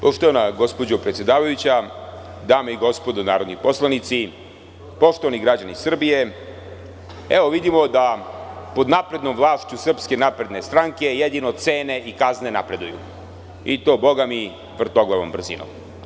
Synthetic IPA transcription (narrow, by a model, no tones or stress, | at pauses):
poʃt̪oʋanaɡo̞spo̞d͡ʑopɾet̪sjed̪aːʋajut͡ɕa | d̪aːmeiɡo̞spo̞d̪onaːɾo̞d̪nipo̞slˠanit̪si | po̞ʃt̪o̞ʋaniɡɾad͡ʑanisr̩bije̞ | eʋo̞ʋid̪imo̞d̪apo̞d̪napɾe̞d̪no̞mʋlˠaːʃt͡ɕusr̩pske̞napɾe̞d̪ne̞st̪ɾaŋke̞jed̪inot̪se̞ːne̞ʔikazne̞na̰pɾe̞d̪ujṵ | it̪o̞ːbo̞ɡami | ʋr̩t̪o̞ɡlˠaʋombr̩zḭno̰m